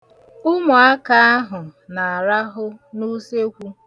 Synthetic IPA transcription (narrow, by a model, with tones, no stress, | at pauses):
ʊ˦mʊ˨a˦ka˦a˦ɦʊ˨na˨a˨ɾa˦ɦʊ˦nu˦se˦kʷu˦